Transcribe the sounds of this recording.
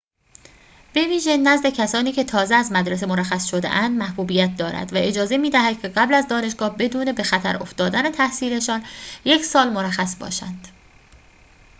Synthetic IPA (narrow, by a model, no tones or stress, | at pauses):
b̥e̞viːʒenæzd̪ecʰæsɒːniːcʰe̞t̪ʰɒːzeæzmæd̪ɾes̬emoɾæxæsʃo̞d̪ḛʔænd̪mæhbuːbiːjæt̪̚d̪ɒːɾæ̰d̪væʔe̞d͡ʒɒːze̞miːd̪æɦæd̪̥̚cʰe̞ɢæblæzd̪ɒːne̞ʃɡ̥ɒːhbe̞d̪uːne̞be̞xæt̪ʰæɾo̞̰ft̪ɒːd̪æne̞t̪ʰæhsiːɾe̞ʃɒːnje̞cʰsɒːlmoɾæxæsbɒ̰ːʃænd̪̥